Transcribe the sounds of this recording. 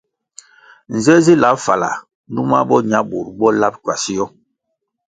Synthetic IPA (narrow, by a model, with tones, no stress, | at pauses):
n̩˨zɛ˦zi˦la˨˦pfa˨la̰˨ | n˦du˦ma̰˦bɔ˦ɲa˦bu˨ɾbɔ˦la˦p̚kwa˨si˦jɔ˦